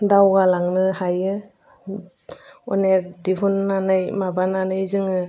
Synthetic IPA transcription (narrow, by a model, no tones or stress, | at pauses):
dawɡalaŋnɯhajɯ | ɔ̰nek̚diɦunːanɯjmabananɯjzɯŋɯ